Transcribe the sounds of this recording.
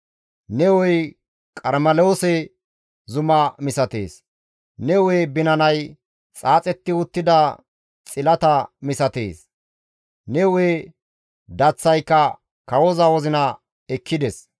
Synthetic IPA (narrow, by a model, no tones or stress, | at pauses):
nɛwɔj | kʼɐɾmɐloːsɛ | zʊmɐmɪsɐt̪ḛːs | nɛwebɪnɐnɐj | t͡sʼaːt͡sʼɛt̪ːɪʊt̪ːɪd̪ɐ | t͡sʼɪlɐt̪ɐmɪsɐt̪ḛːs | nɛwe | d̪ɐt͡sːɐjkːɐ | kɐwɔzɐwɔzɪnɐ | ɛkʰːɪd̪ɛs